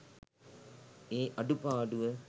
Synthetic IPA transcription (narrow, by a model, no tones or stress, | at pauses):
eːʔɐɖupaːɖuʋə